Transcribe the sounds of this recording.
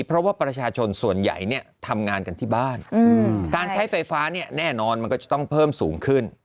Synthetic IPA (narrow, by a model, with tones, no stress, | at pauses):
pʰɾɔ˦˥waː˥˩pɾa˧t͡ɕʰaː˧t͡ɕʰo˧nsu˨˩ənja̰˨˩jni˥˩ɐt̪ʰa˧mŋaː˧nka˧nt̪ʰiː˥˩baː˥˩nː˧kaː˧nt͡ɕʰa˦˥jfa˧jfaː˦˥ni˥˩ɐnɛː˥˩nɔː˧nma˧nkɔ˥˩t͡ɕa˨˩t̪ɔ˥˩ŋpʰɤː˥˩msuː˩˦ŋkʰɯ˥˩n